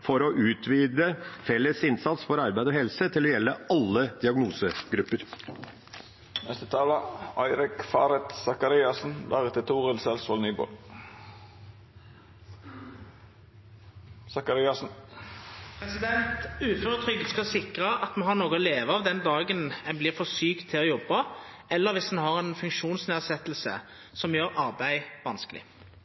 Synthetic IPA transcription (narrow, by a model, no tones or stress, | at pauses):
fɔɾɔʔʉːt̪ʰʋiːd̪əfɛlːəsɪnsɑt̪sfɔɾɑɾbæɪd̪ɔːɦɛlsət̪ʰɪlɔjɛlːəɑlːəd̪̥ɪɑɡnuːsəɡɾʉpːəɾ | nɛst̪ət̪ʰɑːləæɪɾɪkfɑːɾɛt̪sɑkɑɾiːɑsn̩lʔɑ̰ːʁət̪ʰɪt̪ʰuːʁəlsɛlsʋɔlnyːbo̰ːl | sɑkɑɾɪːɑsn̩ | pʰʁɛsɪd̪ɛnt̪ʉːføːʁət̪ʰʁʏɡd̪skɑsɪkʁəʔɑt̪mɛɦɑʁnoːɡɔleːʋəɑʋd̪ɛnd̪ɑːɡənɛnblɪʁfɔʁsyːkt̪ʰːɪloːjɔbːə | ɛlːəʁʋɪsd̪ɛnhɑʁɛnfʉŋkʃuːnsneːʁsɛt̪lsə̰ | sɔmjøːʁɑʁbæɪʋɑnskəlɪ̰